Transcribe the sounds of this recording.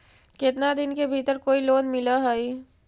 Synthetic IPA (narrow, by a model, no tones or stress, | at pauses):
kɪt̪nad̪ɪnkebʱiːt̪əɾkoːiloːnmɪlaɦai